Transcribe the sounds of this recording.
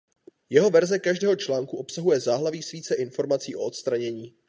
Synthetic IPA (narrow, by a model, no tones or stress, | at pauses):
jɛɦo̞vɛɾzɛkaʒdɛːɦo̞t͡ʃlaːŋkuʔo̞psaɦujɛzaːɦlaviːsviːt͡sɛʔɪnfo̞ɾmat͡siːʔo̞ot̪st̪ɾaɲɛɲiː